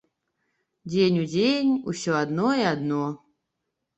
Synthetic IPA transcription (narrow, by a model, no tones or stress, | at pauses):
dʲenʲudʲenʲṵsʲoad̪noiad̪no